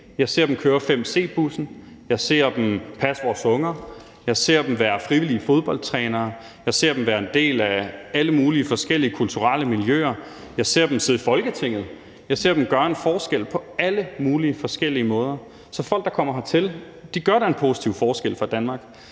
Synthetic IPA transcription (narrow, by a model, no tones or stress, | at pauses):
jɑ̈ɪse̝ɐd̥emkʰøːɐfem̰se̝̰ːb̥usn̩ | jɑ̈ɪse̝̰ːɐ̰d̥empʰæsʋɒːsɔ̽ŋɐ | jɑ̈ɪse̝ɐ̰d̥em̩ʋæːɐfʁiʋiliəfo̝ð̞ˠb̥ɒ̽l̰d̥t͡sʰʁɛːnɐː | jɑ̈ɪse̝̰ɐ̰d̥em̩ʋæːɐe̝nd̥e̝̰ːlææləmuːliəfɒ̽sɡ̥el̰iəkʰult͡sʰuʁɑ̰ləmiljø̰ːɐ | jɑ̈ɪse̝̰ɐ̰d̥emse̝ð̰ˠifɒ̽lɡ̥ət͡sʰe̝ŋ̰ð̞̩ˠ | jɑ̈ɪse̝ɐ̰d̥emɡ̥ɶɐenfɒːsɡ̥el̰pʰɒ̽æləmuːliəfɒ̽sɡ̥el̰iəmɔ̽ːð̞ˠɐ | sɒ̽fɒ̽l̰ɡ̥̚d̥ɑ̈kʰɒ̽m̰ɐɦɑ̈t͡sʰe̝l | d̥iɡ̥ɶɐɾ̥æe̝npʰo̝ːsi̥t͡sʰiʊfɒːsɡ̥el̰fʁɑ̈d̥ænmɑ̈ːɡ̥